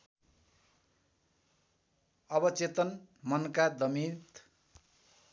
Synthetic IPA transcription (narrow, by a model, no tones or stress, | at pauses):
ʌbʌt͡set̪ʌnmʌnkad̪ʌmit̪